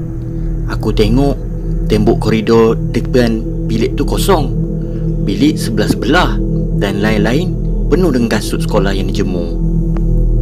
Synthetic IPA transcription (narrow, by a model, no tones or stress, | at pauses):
akut̪eŋɔʔ | t̪ɛmbɔʔkɔɾidɔrdəktən | bilɪʔt̪ukosɔŋ | bilɪʔsəbəlahsəbəlah | danlainlaɪn | pənuhdəŋɡasuʔsə̥kolahjaŋdid͡ʒəmu